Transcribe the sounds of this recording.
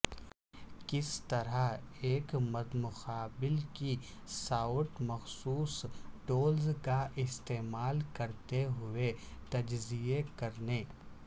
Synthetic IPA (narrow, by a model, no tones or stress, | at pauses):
kɪst̪ɐɾaeːkmɐd̪mʊxaːbɪlki | saːʊʈmɐxsuːsʈoːlzkaʔɪst̪eːmaːlkɐɾt̪eɦʊet̪ɐd͡ʒziekɐɾneː